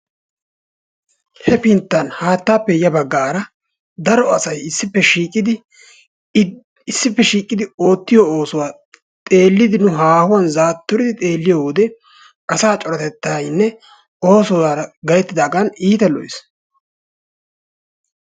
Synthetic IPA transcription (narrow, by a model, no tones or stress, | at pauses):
hɛpɪnt̪ːɐnhaːt̪ːaːpːɛjɐbɐɡːaːɾɐ | d̪ɐɾɔɐsɐjɪsːɪpːɛʃiːkʼɪd̪ɪ | ɪsːɪpːɛʃiːkʼːɪd̪ɪo̞ːt̪ːɪjɔoːsʊwaː | t̪ʼe̞ːlːɪd̪ɪnʊɦaːhʊwɐnzaːt̪ːʊɾɪd̪ɪt̪ʼe̞ːlːɪjɔwd̪ɛ | ʔɐsaːt͡ʃʼɔɾɐt̪ɛt̪ːajnːɛ | o̞ːsɔzaːɾɐɡɐjɛt̪ːɪd̪aːɡɐniːt̪ɛlɔ̰jɪ̰s